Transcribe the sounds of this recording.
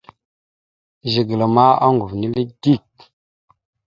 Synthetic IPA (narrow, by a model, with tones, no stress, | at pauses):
ʒi˨ɡə˨la˨ma˦a̰˦ŋɡu˨vni˦li˦di˦˨k̚